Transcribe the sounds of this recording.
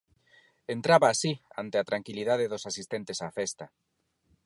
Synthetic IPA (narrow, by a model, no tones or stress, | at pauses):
ent̪ɾaβaːsia̰nt̪eat̪ɾaŋkiliðaðeðosasist̪ent̪esafest̪ɐ